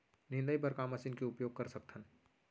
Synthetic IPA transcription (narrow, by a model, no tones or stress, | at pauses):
nɪ̃nd̪əjpɐɾkaːməsinkeʊpjoːɡ̚kɐɾsɐkt̪ʰən